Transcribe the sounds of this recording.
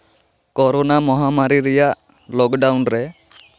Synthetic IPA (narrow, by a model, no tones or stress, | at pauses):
kɔɾɔnamɔɦamaɾiɾɛjaʔ | lɔkɖawnɾɛ